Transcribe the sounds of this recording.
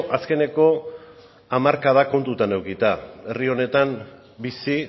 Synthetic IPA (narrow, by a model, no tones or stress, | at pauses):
ʔaske̞ne̞ko̞ | amaɾkað̞ako̞nt̪ut̪ane̞wkit̪ae̞rio̞ne̞t̪am | bisi